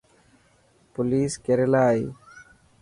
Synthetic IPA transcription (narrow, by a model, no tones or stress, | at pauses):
pʊliːskeɾelaːiː